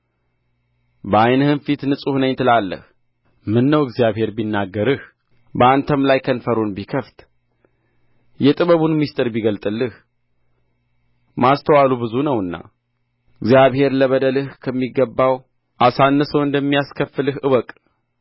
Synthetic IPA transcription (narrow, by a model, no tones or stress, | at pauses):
bəajnəhɨnfit̪nɨsʼuhnəɲt̪ʰɨlalːə̰h | mɨnːəwɨɡzijaβhe̞ɾbinːaɡːəɾɨh | bəant̪ʰəmlajkʰənfəɾunbikʰəft̪ | jɛt̪ʼɨβəβunmist̪ʼɨɾbiɡəlt̪ʼɨlːɨh | mast̪ʰəwalubɨzunəwɨnːa̰ | ɨɡzjaβhe̞ɾləβəd̪əlɨhkʰəmːiɡːəbːaw | ʔasanːɨsəwɨnd̪əmːijaskʰəfɨlɨhʔɨwəkʼ